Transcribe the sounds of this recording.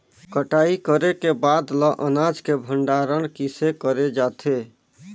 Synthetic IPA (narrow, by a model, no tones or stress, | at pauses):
kəʈaikəɾekebad̪lɔʔənad͡ʒkebʱəɳɖaɾənkisekəɾed͡ʒat̪ʰe